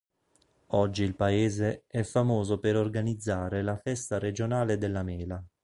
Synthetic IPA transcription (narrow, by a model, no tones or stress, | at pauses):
ɔd͡ʒːiːlpaeːzeɛfamoːzopeɾorɡanid̪zːaːɾelafɛst̪aɾed͡ʒonaːled̪elːamɛːla